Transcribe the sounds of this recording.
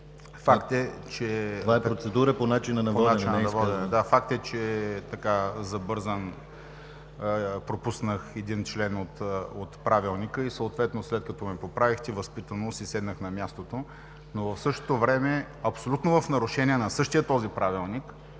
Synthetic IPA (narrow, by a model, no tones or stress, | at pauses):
fakt̪ɛt͡ʃɛvaɛɾot̪sɛd̪uɾəponat͡ʃinɐnɐvpoɔnant͡ʃinɐnvɔd̪d̪afak̚t̪ɛt͡ʃɛt̪ɐkazɐbɤɾzən | pɾopusnəxɛd̪int͡ʃlɛnot̪ot̪pɾavilˠnikəisəʊt̪vɛt̪noslɛt̪̚kɐt̪ɔmɛpopɾavixt̪ivəspit̪ənosisɛd̪nəxnɐmʲjast̪ot̪o | novɐfsɤʃt̪o̥t̪ovɾɛmɛ | ɐpsolʲut̪novəfnɐɾʊʃɛniɛnɐsɤʃt̪ijət̪ɔzipɾavilˠnik